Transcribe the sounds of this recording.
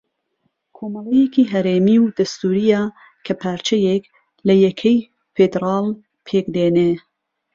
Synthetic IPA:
kʰoːmɐlejekiɦɐɾeːmiwd̪ɐst̪uːɾija | kʰɐpʰaːɾt͡ʃʰɐjek | lɐjɛkʰɐj | fed̪ɾɑːl | pʰeːkd̪eːne

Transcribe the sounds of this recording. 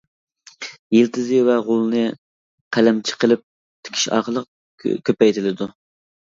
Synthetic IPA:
jelt̪ʰɪzɪwɛʁolˠnɨ | qʰælɛmt͡ʃʰɪ̥qəlˠɪp̚ | t̪ʰɪ̥kʲʰi̥ʃɑ̰ːqəlˠəq̚ | kʲʰøpɛjt̪ʰɪlɪd̪u

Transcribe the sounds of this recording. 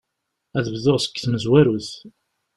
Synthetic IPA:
æðəvðoʁsə̥kːθməzwæɾuθ

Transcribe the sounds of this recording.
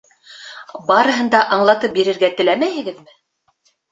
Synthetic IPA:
bɑɾɤ̆ɦɤ̆nd̪ɑʔɑɴlˠɑt̪ɤp̚biɾɘ̆ɾɡæt̪ɘ̆læmæjhɘ̆ɡɘðmɘ

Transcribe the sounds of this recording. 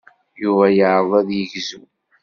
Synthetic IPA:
juvæjəʕəðˤæðjəʝzu

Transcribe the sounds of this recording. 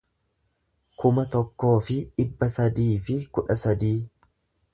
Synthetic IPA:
kʊmɐt̪ɔkːo̞ːfɪᶑɪbːɐsɐd̪iːfɪkʊᶑɐsɐd̪iː

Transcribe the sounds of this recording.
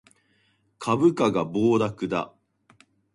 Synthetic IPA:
kʰabɯ̟kaɡaboːd̪akɯ̟d̪a̰

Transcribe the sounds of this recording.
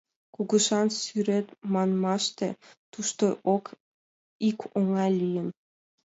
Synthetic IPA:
kuɣəʃɑnsyɾet̪mɑnmɑʃt̪ḛt̪uʃt̪oʔok | ikʰoŋɑlʲijən

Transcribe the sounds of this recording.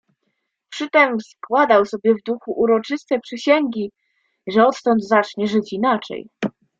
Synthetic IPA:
pʂɘt̪ɛmskwad̪awsɔbʲjɛvd̪uxuʔuɾɔt͡ʂɘst̪ɛpʂɘɕɛŋɡʲi | ʐɛɔt̪t̪ɔnd̪zat͡ʂɲɛʐɘt͡ɕinat͡ʂɛ̰j

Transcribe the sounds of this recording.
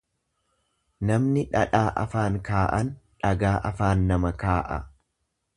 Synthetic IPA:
nɐmnɪᶑɐ̰ᶑaːʔɐ̰faːŋkaːʔɐnᶑɐɡaːʔɐfaːnːɐmɐkaːʔɐ̰

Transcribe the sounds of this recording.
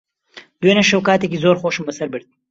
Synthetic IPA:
d̪̥wenɐʃɐwkaːt̪ek̬izoːɾxoːʃɨmbɐsɐɾbɨɾd̪̚

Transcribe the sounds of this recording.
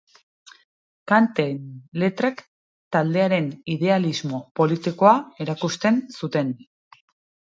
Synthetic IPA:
kant̪enle̞t̪ɾek | t̪ald̪e̞aɾe̞nið̞e̞alizmo̞po̞lit̪iko̞ae̞ɾakust̪e̞nsut̪e̞n

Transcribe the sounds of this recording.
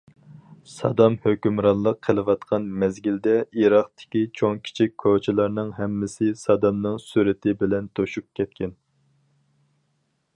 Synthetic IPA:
sɑ̰d̪ɑmhøkʲymɾɑnlˠəqʰːəlˠɨwɑt̪qʰɑnmɛzɡʲild̪ɛiɾɑχt̪ɪ̥kʲit͡ʃʰoŋkʲʰi̥t͡ʃʰikʲkʰːot͡ʃʰilˠɑɾnɨŋɦɛmːɪsɪsɑd̪ɑmnɨŋsuɾɪt̪ʰɪbɪlɛnt̪ʰoʃup̚kʲʰɛt̪̚kʲɛn

